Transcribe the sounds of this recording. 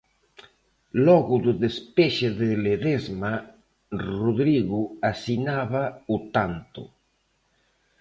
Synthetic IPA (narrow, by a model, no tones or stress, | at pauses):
lɔɣʊðʊðespeʃeðeleðezma | roðɾiɣuasinaβaut̪ant̪ʊ̰